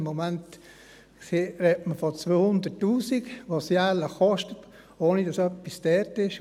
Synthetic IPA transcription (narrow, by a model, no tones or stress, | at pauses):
mːomænt | sirɛtməfɔt͡sʋøːhʊnd̪ətːuːsikʋosjæləχɔʃtət | oːnidɑsœpːisd̥ɛɾtɪʃ